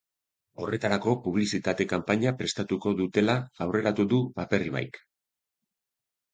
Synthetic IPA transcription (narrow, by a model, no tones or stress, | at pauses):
o̞re̞t̪aɾako̞puβ̞lisit̪at̪e̞kampaɲapɾe̞st̪at̪uko̞ðut̪e̞laawre̞ɾat̪uðupape̞riβa̰jk